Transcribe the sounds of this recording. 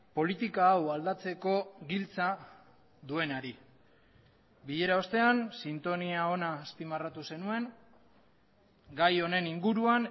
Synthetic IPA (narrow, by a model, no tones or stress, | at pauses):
po̞lit̪ikaːwald̪at͡se̞ko̞ɡilt͡sa | d̪ue̞naɾi | biʎe̞ɾao̞st̪e̞ansint̪o̞niao̞naːspimarat̪use̞nue̞ŋ | ɡajo̞ne̞niŋɡuɾuan